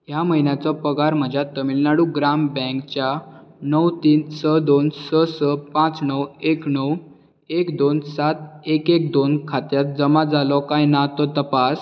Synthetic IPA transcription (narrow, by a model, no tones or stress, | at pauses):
jaməɦinjat͡sɔpəɡaɾm̤əd͡ʑʱjat̪ːəmilnaɽuɡɾambɛ̃kt͡ɕjanəwt̪iːnsəd̪onsəsəpãt͡snəweknəw | ekd̪onsat̪ekekd̪onkʰat̪jat̪̚d͡zəmad͡zalɔkajnat̪ɔt̪əpas